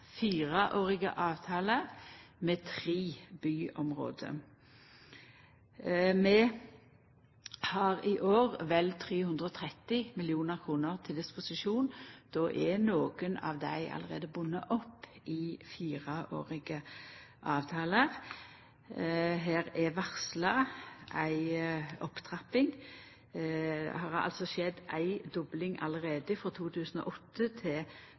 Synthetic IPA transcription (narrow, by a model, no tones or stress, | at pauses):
fiːʁɑʔoːʁɪɡə̰ʔɑːʋt̪ʰɑːləʁmɛt̪ʰʁiːbyːʔɔmʁo̰ːd̪ə̰ | mɛ | hɑʁɪʔoːʁʋɛlt̪ʰʁeːhʉnd̪ʁəɔt̪ʰʁɛt̪ɪmɪlɪuːnəʁkʰʁuːnəʁt̪ʰɪld̪ɪspʊsɪʃuːnd̪̥ɔʔɛnoːɡənɑ̰ːʋd̪æɪʔɑ̰ləʁḛːd̪əbʊnːə̰ʔɔpːɪfiːʁɑʔo̰ːʁɪɡəʔɑːʋt̪ʰɑːləʁ | ɦeːʁɛʋæʁslɑʔæɪɔpt̪ʰʁɑpːɪŋ | ɛ̰hɑʁɑ̰lt̪sɔʃɛd̪ʔæɪd̪ɔblɪŋɑ̰ləʁeːd̪əfɾɔt̪ʰuːt̪ʰʉːsn̩ɔ̰ːʔɔt̪ːət̪ʰɪ